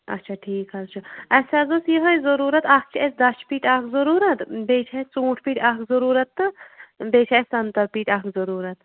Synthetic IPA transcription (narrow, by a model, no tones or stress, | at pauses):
ɐ̰tːt͡ʃʰaʈʰiːkɦɐlt͡ʃʰuɐsʲaːzosjiɦɐjzɐɾuːɾɐt̪ak̚t͡ʃʰiɛsd̪ɐt͡ʃʰpiːʈaːkzɐɾuːɾɐt̪beːt͡ʃʰast͡sũːʈʰpiːʈʰʲakzɐɾuːɾɐt̪ːɨbeːt͡ʃʰaɛst̪ɐnt̪ɐɾpiːʈʲaːkzoɾuːɾɐt̪